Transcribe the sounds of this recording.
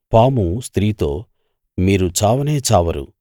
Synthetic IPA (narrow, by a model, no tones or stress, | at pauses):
paːmust̪ɾiːt̪o̞̰ː | miːɾut͡ʃaːʋɐneːt͡ʃaːʋɐɾṵ